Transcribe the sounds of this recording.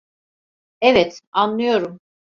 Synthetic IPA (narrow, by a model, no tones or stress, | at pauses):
evɛt̪anlˠɯjo̞ɾum